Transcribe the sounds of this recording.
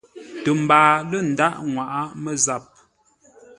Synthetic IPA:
tə˨m̩˨baː˨lə˦˨n̩˨da˦ʔŋwa˨ʔa˦mə˦za˦˨p̚

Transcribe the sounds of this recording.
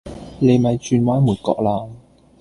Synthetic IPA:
le˨˧jmɐ˨˧jt͡ʃyː˧nwaː˨˥nmuː˨˩t̚kɔ̰ː˧k̚laː˧ŋ

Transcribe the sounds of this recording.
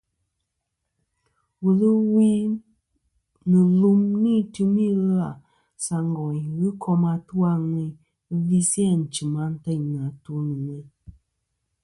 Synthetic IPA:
wu˨lɨ˦wi˦ | nɨ˨lu˦mni˦tɨ˦mi˦ɣla˨ | sa˨ŋɡɔ˨i˨ɣɨ˦kʰɔ˦ma˨tu˦wa˦ŋɨ˨˦ | vi˦si˦a˦˨n̩˨t͡ʃi˨ma˦n̩˦ta˦ɲ˨na˨tu˦nɨ˨ŋɛ˦

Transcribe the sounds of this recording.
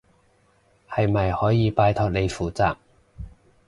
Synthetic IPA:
hɐ˨jmɐ˨jhɔː˨˥jiː˨˧paː˧jt̪ʰɔː˨k̚le˨˧jfuː˨˩t͡saː˨k̚

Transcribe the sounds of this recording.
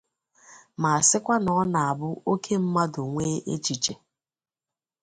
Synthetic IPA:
ma˨a˨sɪ˦kʷa˦nɔ˨˦na˨a˨bʊ˦o˦kʰe˦m̩˦ma˦dʊ˨ŋʷeː˦ʔḛ˦t͡ʃi˨t͡ʃe˨

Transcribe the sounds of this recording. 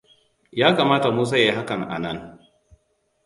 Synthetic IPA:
jaː˦kaː˨maː˦ta˨muː˦s̬a˦ja˦˨i˦ɦa˦kɐ˨ŋʔa̰˨nɐ˦ŋ

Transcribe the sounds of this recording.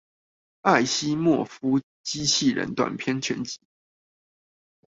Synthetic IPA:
a˥˩ɪɕi˦mwɔ˥˩fu˦˥ | t͡ɕi˦t͡ɕʰi˥˩ɻə̰˧˦nt̪wa̰˨˩npʰjɛ˥nt͡ɕʰɥɛ˧˦nt͡ɕi̥˨˧˩

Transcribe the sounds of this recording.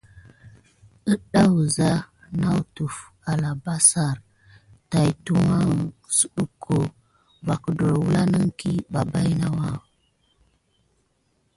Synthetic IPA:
ə˦ɗa˦wu˨za˦ | na˦wtu˨f | a˨la˨ba˦sa˨ɾ | ta˨jtu˦ma˦˨su˦ɗu˨kʰːo˨ | ba˨kə˦do˨ɾwu˦la˦nə˦ŋki˦ba˨ba˦jna˦wa˦

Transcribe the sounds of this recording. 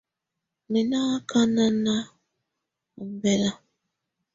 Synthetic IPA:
mi˨na˦kʰa˦na˦na˦˨ | bɛ˦˨la˦

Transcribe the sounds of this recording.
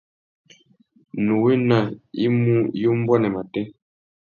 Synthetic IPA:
nu˨we˦na˨ḭ˦mu˦jo˦m̩˦bwɔ˦nɛ˨ma˨tɛ˦

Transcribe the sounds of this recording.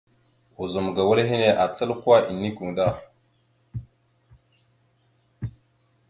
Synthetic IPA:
u˨zu˨m˨ɡa˨wə˦ɾɦi˦ne˨ʔa˨t͡sə˦lka˦ʔi˨nːi˦ku˨da˦˨

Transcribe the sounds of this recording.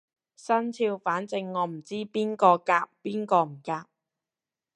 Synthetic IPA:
sɐ˥nt͡sʰiː˧wfaː˨˥nt͡sɪ˧ŋːɔː˨˧m̩˨˩t͡siː˥piː˥nkɔː˧kaː˧p̚piː˥nkɔː˧m̩˨˩kaː˧p̚

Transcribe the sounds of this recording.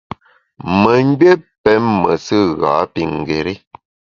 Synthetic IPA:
mə˨ŋ˦ɡ͡be˦pɛ˨˦mːə˨sɨ˦ɣa̰˨˦pi˨ŋ˨ɡe˨ɾi˦

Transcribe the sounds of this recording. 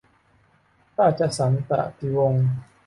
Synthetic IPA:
t̪aː˥˩t͡ɕa˨˩sa˩˦nt̪a̰˧˩ʔt̪ʰi˧˦wo˧ŋ

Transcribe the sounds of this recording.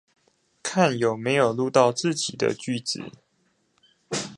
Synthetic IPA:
kʰa˥˨njo˨˩ʊme˧˥ɪjo˨˩ʊlu˥˧t̪ɑ˥˧ʊt͡sɹ̩˥˨t͡ɕi˨˩d̪ə̰˦t͡ɕy˥˩t͡sɹ̩̰˨˩˦

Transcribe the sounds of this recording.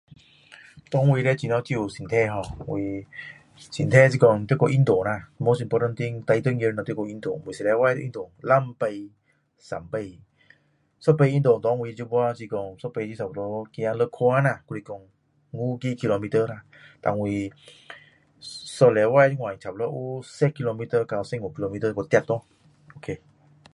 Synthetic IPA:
t̪ɔ˧˦ŋwi˧ɾɛ˦˧t͡ɕi˧˨nɔ˧˦t͡ɕi˧˨u˨si˨nt̪ʰɛ˧ɦɔ˧wi˧ | si˨˦nt̪ʰɛ˧˥˨s̬i˧kɔ˧˩ŋt̪i˦kɔ˧˨ʔi˧˦nt̪o˨na˧˨mo˧˦si˧mpɔ˧ta˧nt̪i˧˥ŋt̪a˧jt̪ə˦ŋi˧n˧˨t̪i˦kɔ˧˨ʔi˧nt̪o˨ŋwi˨si˨˧lɛ˨˧˦wa˧jt̪ʔḭ˧nt̪o˨ŋla˧˨mpə˧j | sa̰˨˦mpə˧j | sɔ˦pə˧˨i˧˦ndo˨ŋt̪ɔ˨˦ŋwi˧d͡ʒu˦bɔ˧a˦˧si˧kɔ˧ŋsɔ˦pə˧t͡ʃi˧˦sa˨˩p̚lɔ˦ki˧a˧lə˦kʰɔ˧a˦na˧˨kɔ˧ɾi˧kɔ˧˨ŋː | u˦ki˦ki˧lo˧mi˧tə˧na˧ | t̪a̰˨ŋwi˧ | sɔ˧lɛ˨˧˦wa˧˦jti˦ŋwa˨t͡ʃʰa˨p̚lɔ˦ʔu˦sɛ˦kʰːi˧lo˧mi˦tə˧ka˧wsɛ˧˦ŋu˨ki˧lo˧mi˧˦tə˧kɔ˧t̪ɛ˧˩t̚t̪o˦ | o˨˧˨kʰe˧

